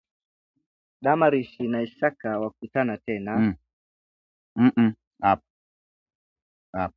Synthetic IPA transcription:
ɗamaɾiʃinaisakawak̚utanatɛna | m̩ | ap̚ | ap̚

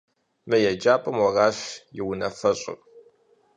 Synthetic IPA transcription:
mɐjɛd͡ʒaːpʼɐmwɐraːɕjɪwʊnɐfɐɕʼɪ̰r

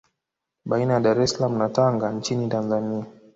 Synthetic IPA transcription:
ɓainajaɗaɾɛsalamunataŋɡant͡ʃinitanzania

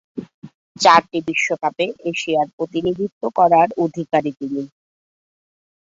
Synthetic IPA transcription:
t͡ɕaɾʈibiʃːokapeʔeʃiaɾpɾot̪inid̪ʱit̪ːokɔɾaɾod̪ʱikaɾit̪ini

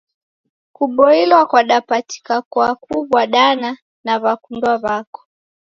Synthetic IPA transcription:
kuɓɔilwakwaɗapati̥kakwakuβwaɗana | naβakundwaβakɔ̥

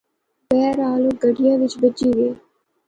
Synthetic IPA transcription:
bɛːɾaːloːɡəɖɪjãːʋɪt͡ʃbəd͡ʒiːʋeː

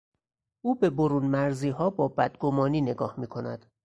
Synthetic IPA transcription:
ʔuːbe̞boɾuːnmæɾziːɦɒːbɒːbæd̪ɡo̞mɒːniːne̞ɡɒːhmiːkʰo̞næd̪̥

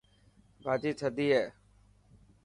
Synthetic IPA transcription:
bʱaːd͡ʒiːt͡ʃʰəd̪iːɦeː

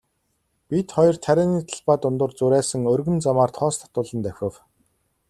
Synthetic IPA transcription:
pʲit̪χɔjɞ̆rt̪ʰæɾʲɪːniːt̪ʰaɮpaːt̪ʊnt̪ʊ̆rt͡sʊɾæːsə̆ŋɵrɣɵ̆nt͡samaːrt̪ʰɔːst̪ʰɔ̥t̪ʊːɮə̆nt̪æxʲə̆w

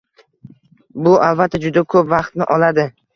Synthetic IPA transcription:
bʊʔavːat̪ʰːad͡ʒʊd̪akʰɵpvɑqt̪nɪʔɒlad̪ɪ

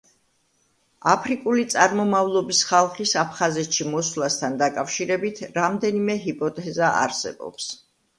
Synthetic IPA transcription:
apʰɾikʼulit̪sʼaɾmɔmavlˠɔbisχalˠχisapʰχazɛt̪ʰʃimɔswlˠast̪ʰand̪akʼafʃiɾɛbit̪ʰɾamd̪ɛnimɛɦipʼɔt̪ʼɛzaʔa̰ɾsɛ̰bɔ̰ps

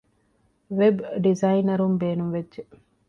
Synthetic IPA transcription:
ʋebɖizɐinɐɾumbeːnumʋedʒe

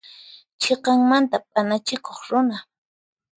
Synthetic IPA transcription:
t͡ʃʰeqɑŋmant̪apʼanat͡ʃɪkoχɾʊna

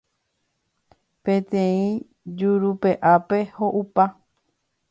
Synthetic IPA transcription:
pẽ̞t̪ẽĩ | d͡ʒuɾupe̞ʔape̞hoʔupa

